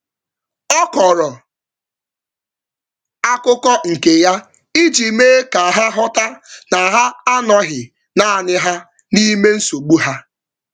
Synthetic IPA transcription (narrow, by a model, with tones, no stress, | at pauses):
ɔ˦kɔ˨ɾɔ˨ | a˦kʊ˦kɔ˦ŋ̩˨ke˨ja˦ | i˦d͡ʒi˨me˦ka˨ɦa˦ɦɔ˦ta˦na˨ɦa˦a˦nɔ˦ɦɪ˨ | na˨a˨nɪ˦ɦa˦ | ni˦me˦n̩˦so˨ɡ͡bu˦ɦa˦